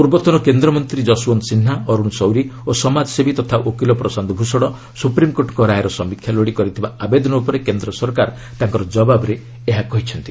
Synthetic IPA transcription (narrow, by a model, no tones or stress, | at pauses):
puɾbɔt̪ɔnɔkend̪ɾɔmɔnt̪ɾid͡ʒɔsuɔnsin̤ːaɔɾuñsɔwɾiosɔmad͡ʒsebʱit̪ɔt̪ʰaʔokilɔpɾɔsand̪ɔbʱusɔɽɔ | supɾimkoʈkɔɾajɾɔsɔmikʰjaloɽikɔɾit̪ʰibaabed̪ɔnɔupɔɾekend̪ɾɔsɔɾkaɾ | t̪aŋkɔɾɔd͡ʒɔbabɔɾe | eɦakɔɦit͡ʃʰɔnt̪i